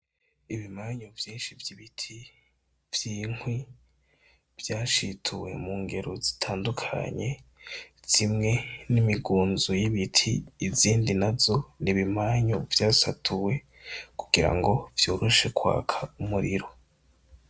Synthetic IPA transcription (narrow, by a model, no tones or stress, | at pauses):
iβimaːɲovjiːnʃivjiβitʰi | vjiːŋ̥wi | vjaːʃitʰuwe̞̰muːŋɡe̞ɾozi̥tʰaːndukʰa̰ɲe̞ | z̥imŋe̞nimiɡuːnzujiβitʰiːziːndinavzo̞niβimaːɲovjaːsatʰuwe̞ | ku̥ɡ̥iɾa̰ŋɡo̞vjuːɾuʃe̞kwa̰ːkʰaumuɾiɾo